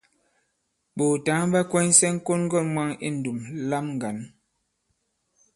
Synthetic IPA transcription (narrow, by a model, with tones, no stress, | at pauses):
ɓo˨ta˨˦ŋm˦ba˦kwɛ˦n˦sɛ˦ŋ̩˦ko˦nŋ˦ɡɔ˦˨mwa˦ŋḭ˦˨n̩˨du˨mla˦mŋ̩˨ɡa˨n